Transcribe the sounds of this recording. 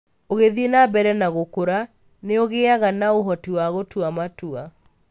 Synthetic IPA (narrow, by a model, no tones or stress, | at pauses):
oɣeðienabɛɾɛnaɣokoɾa | neoɣeaɣanaoɦɔtiwaɣotwamatua